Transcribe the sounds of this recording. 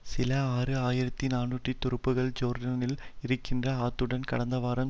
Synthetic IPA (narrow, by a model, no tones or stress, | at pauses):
sɪlɐaːrɯaːjɪɾɐt̪ːinaːnːuʈːrit̪ːʊɾɯpːɯɣɐɭd͡ʒoːɾɖɐnɪlɪɾɯkːɪndrɐaːt̪ːɯɽɐnkɐɽɐnd̪ɐʋaːɾɐm